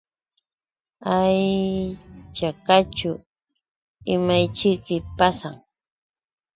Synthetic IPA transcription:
aj | t͡ʃakat͡ʃʊ | ɪmajt͡ʃɪkɪpasaŋ

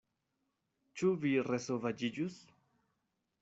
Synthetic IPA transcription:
t͡ʃuviresovad͡ʒid͡ʒus

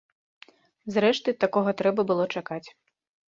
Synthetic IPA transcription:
zɾɛʂt̪ɨt̪akɔɣɐt̪ɾɛbɐbɨlˠɔt͡ʂakat͡sʲ

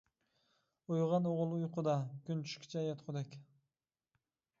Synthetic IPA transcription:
ujʁɑnoʁʊlˠujqʊd̪ɑkʲynt̪ʰy̥ʃkʲi̥t͡ʃʰɑjɑt̪qʰʊd̪ekʲ

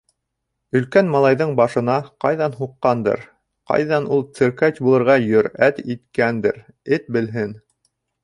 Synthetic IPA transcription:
ɵ̆lkænmɑlˠɑjðɤɴbɑʃɤ̆nɑqɑjðɑnɦuqːɑnd̪ɤ̰ɾ | qɑ̰jðɑnulˠt̪sɘ̆ɾkætʲbulˠɤ̆ɾʁɑjɵ̆ɾæt̪it̪kænd̪ɘ̰ɾ | ɘt̪̚bɘ̆lɦɘn

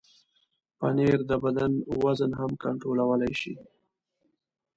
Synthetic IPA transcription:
paneɾd̪əbad̪anwazənɦamkaɳʈɾolawəlajʃḭ

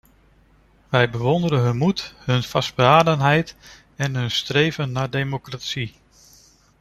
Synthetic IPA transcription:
ʋɛjbəʋɔndəɾənɦɵnmutɦɵnfɑsd̚bəaːdənɦɛjt | ɛnɦɵnstrejvənːaːɹdejmokratsi

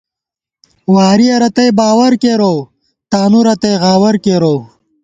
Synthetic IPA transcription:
waːɾiɐɾɐt̪ɐjbaːwɐɾkeːɾow | t̪aːnuɾɐt̪ɐjɣaːwɐɾkeːɾow

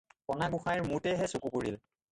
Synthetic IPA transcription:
pɔnaɡuxajɹmutɛɦɛsukukoɹil

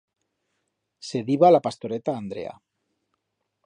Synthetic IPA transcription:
seðiβalapast̪oɾet̪aːnd̪ɾḛa̰

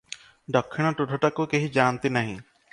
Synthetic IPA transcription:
d̪ɔkʰːiɽ̃ɔʈuʈʰɔʈakukeɦid͡ʒant̪inaɦḭ̃

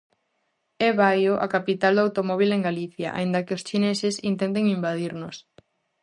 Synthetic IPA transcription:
eβajoʔa̰kapit̪ald̪awt̪omɔβ̞ileŋɡaliθjaʔa̰ind̪ɐkɪost͡ʃinesesint̪ent̪̬eŋimbaðiɾnʊs

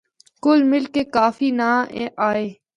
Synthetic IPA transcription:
kʊlmɪlkeːkaːfiːnaːeʔaːeː

